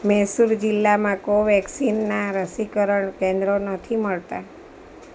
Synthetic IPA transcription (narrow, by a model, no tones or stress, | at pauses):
mɛsuɾd͡ʒɪlːamãkoʋɛksinːaɾəsikəɾəɳkẽnd̪ɾonət̪ʰiməɭt̪a